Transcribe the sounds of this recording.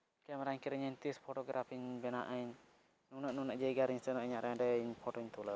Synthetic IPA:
kɛmɛɾaɲkɛɾəɲəɲt̪ispʰɔʈɔɡɾʔapʰiɲbɛna̰ʔəɲ | nunəʔnunəʔd͡ʒɛjɡaɾiɲsɛnɔʔiɲaʔɾɛãɖɛiɲpʰɔʈɔɲt̪ulə

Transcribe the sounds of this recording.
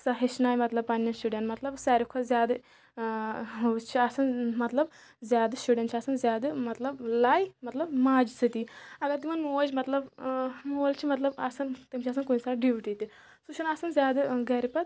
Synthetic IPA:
sɐɦiʃnaːjmɐt̪lɐb̚pɐnːɐnsuɖenʈmɐt̪lɐbsɐːɾikʰozjaːd̪ɨ | t͡ʃʰiɐsɐnmɐt̪lɐb | zʲjaːd̪ɨsuɖʲeɳʈt͡ʃʰɐsɐnzʲjaːd̪ɨmɐt̪lɐblaːjmɐt̪lɐbmaːd͡ʒisɨt̪iɐɡɐɾt̪imɐnmoːd͡ʒmɐt̪lɐbmoːlt͡ʃʰimɐt̪lɐbɐsɐnt̪imt͡ʃʰɐs̬ɐnkonsaːɖiʋiʈit̪i | suʃʰɐnɐsɐnzʲjaːd̪ɨɡɐɾipɐt̪

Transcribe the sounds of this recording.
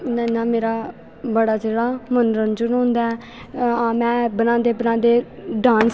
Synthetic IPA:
nãɪnãːmeːɾaː | bəɽaːd͡ʒeːɽaːmənɾənd͡ʒʊnɦõːnd̪aːɛ | aːmɛ̃ːbənãːd̪eːbənãːd̪eːɖãːns

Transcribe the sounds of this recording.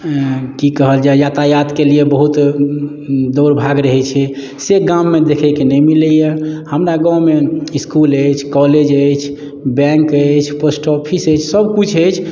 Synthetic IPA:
kikəɦəld͡ʒajat̪ajat̪keliebəɦut̪ | d̪oɾbʱaɡɾəɦɛt͡ʃʰɛ | seɡãmːed̪ekʰɛjkenɛjmiləjehəmɾaɡãwmeiskuləjt͡ʃʰkɔled͡ʒəjt͡ʃʰ | bɛ̃ŋkət͡ʃʰpəsʈɔpʰisəjt͡ʃʰsəbkut͡ʃʰəjt͡ʃʰ

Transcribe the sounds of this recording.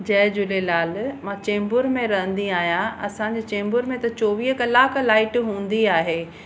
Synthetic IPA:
d͡ʑɐɦd͡ʑʊlelaːlmãt͡ɕẽːmbʊɾmẽɾɐɦə̃nd̪iaːɦijãɐ̰sãːɲd͡ʑeːt͡ɕẽːmbʊɾmẽt̪ɐt͡ɕoːʋiːɦkɐlaːkʰlaːɪʈɦũːn̆d̪iaːɦeː

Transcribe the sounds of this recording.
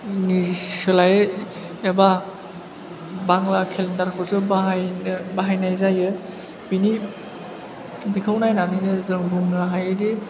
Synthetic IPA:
nisɯlajɯ | eba | baŋlakʰelendaɾkʰɔzɯba | baɦajnajzajɯ | bini | bikʰawnajnaninɯzɯŋbuŋnɯɦajde

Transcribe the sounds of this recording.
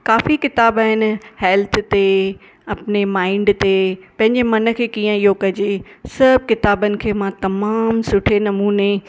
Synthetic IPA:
kaːfikɪt̪aːbaːɦɪnɪ̆hɛːlt̪ʰt̪e | ɐpɪnemãːɪɳɖt̪epɐ̃ɦɪ̃ɲd͡ʑemɐnə̆kʰeːkiːə̃iɦokɐd͡ʑesɐb̚kɪt̪aːbənɪ̆kʰeːmãt̪ɐmaːmsʊʈʰenɐmuːne

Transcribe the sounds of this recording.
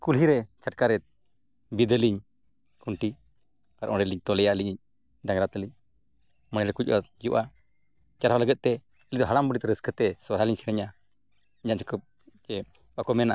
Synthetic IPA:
kulɦiɾɛt͡ʃaʈkaɾɛt̪̚ | bid̪əliɲ | kuɳʈi | paɾʔɔ̃ɳɖɛliɲt̪ɔlɛjaʔliɲiɲ | ɖaŋɡɾat̪əliɲ | mənɛɾɛkut͡ʃʔad͡ʒuʔa | t͡ʃaɾɦaləɡɛt̪̚t̪ɛ | əlid̪ɔɦalambəɖit̪̚ɾəskʰət̪ɛswaɾɦaliɲsiɾɛɲa | d͡ʒaʔt͡ʃɔkə | t͡ʃɛ | bakɔmɛnaʔa

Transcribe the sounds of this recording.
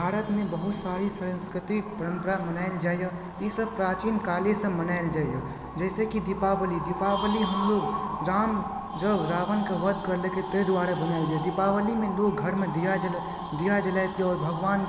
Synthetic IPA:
bʱaːɾət̪mẽbəɦʊt̪saːɾisəɾə̃nskɾɪt̪ipəɾə̃mpəɾamənaːɪld͡ʒaːjja | jisəb̚pɾaːt͡ʃiːnkaːlesə̃mənaːɪld͡ʒaːja | d͡ʒɛːsekid̪ɪpaːʋəlid̪ɪpaːʋəliɦəmloːɡɾaːm | d͡ʒəbɾaːʋənkeʋəd̪ʱkəɾleket̪ed̪ʊaːɾabənaɪld͡ʒajd̪ɪpaːʋəlimẽloːɡɡʱəɾmẽd̪ijad͡ʒ | d̪ijad͡ʒəlat̪iɔːɾbʱəɡʋaːn

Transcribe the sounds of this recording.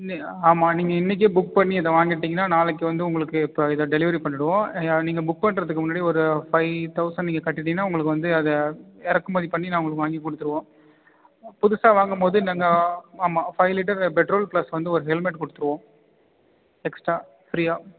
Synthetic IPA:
ni | aːmaːniːŋɡɐɪnːɪk̬ːɯbʊk̚pɐɳːiɪðɐʋaːŋɡɪʈːiːŋɡɐnːaːnaːlɛk̬ːɯʋɐnd̪ɯʊŋɡɐɭɯkːɯɪpːoːɪðɐɖɛlɪʋɐɾipɐɳːɪɽɯʋõːniːŋɡɐbʊk̚pɐɳːɾɐðɯkːɯmʊnːaːɽiɔɾɯfɐɪt̪ɐʊsɐnniːŋɡɐkɐʈːɪʈːiŋɡɐnːaːʊŋɡɐɭɯk̬ːɯʋɐnd̪ɯɐðɐɛɾɐkːɯmɐːðipɐɳːinaːʊŋɡɐɭɯkːɯʋaːŋɡikːɔɽɯt̪ːɯɾɯʋõː | pʊðʊsaːʋaːŋɡɐmpoːðɯnɐːŋɡɐaːmaːfɐɪlɪʈ̬ːɐɾpɛʈɾoːlpɭlɐsʋɐnd̪ɯɔɾɯɦɛlmɛʈkɔɽɯt̪ːɯɾɯʋõː | ɛksʈɾaː | fɾijaː

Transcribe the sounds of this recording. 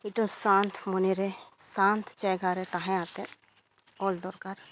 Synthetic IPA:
iʈə̃sãːnt̪ʰmoneɾesãːnt̪ʰt͡ʃɛɡaːɾet̪aɦẽaːt̪ẽ | ɔːld̪ɔːɾkaɾ

